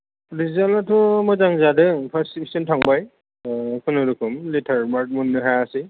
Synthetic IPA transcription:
ɾizanatʰumɔjzaŋzadɯŋpʰasipi̥sɔntʰaŋbaj | kʰɯnɯɾɯkʰɯmlitʰaɾmaɾk̚munːɯɦaasi

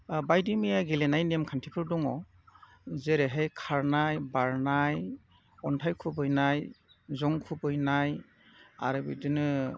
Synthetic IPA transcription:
bajdimijaɡelenajnemkʰantʰipʰɯɾdɔŋɔ | zeɾeɦejkʰaɹnajbaɹnaj | ɔntʰajkʰubɯjnaj | zɔŋkʰubɯjnaj | a̰ɾɯbḭdɯnɯ

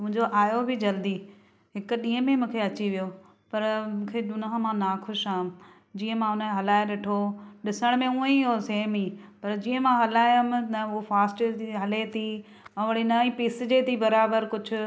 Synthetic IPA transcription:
mʊ̃ɦɪ̃ɲd͡ʑoʔaːjobʱɪd͡ʑɐld̪i | ɦɪkʊ̆ɗiːə̃mẽmũːkʰeɐt͡ɕiʋijo | pɐɾmũːkʰeɗʊnaɦə̃mãnaxʊʃaːɦɪ̃m | d͡ʑiːə̃mãʊnəɦɐlaːɪʋeʈʰoɗɪsəɽ̃mẽuːə̃iɦoseːmiːpɐɾd͡ʑiːə̃mãɦɐlaːjʊmnɐʊɦofaːsʈiɦɐlet̪ʰi | ɐʋəɽ̃inɐĩpiːsd͡ʑet̪ʰibɐɾaːbəɾkʊd͡ʑʱʊ̆

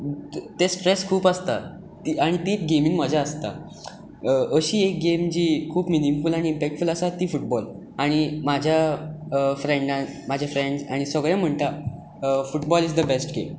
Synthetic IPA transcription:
t̪espɾeskʰuːpəst̪a̰ | t̪iaɽ̃it̪iːtɡemiːnməd͡ʑʱaəst̪a̰ | əɕiːek̚ɡemd͡ʑiːkʰuːpminimfulaɽ̃iːmpɛk̚ʈfuləsat̪iːfuʈ̚bɔl | aɽ̃imad͡ʑʱja | fɾeɳɖãmad͡ʑʱafɾeɳɖsaɽ̃isəɡɭjãm̤əɳt̪a | fuʈbɔlid͡zd̪əbesʈɡḛm

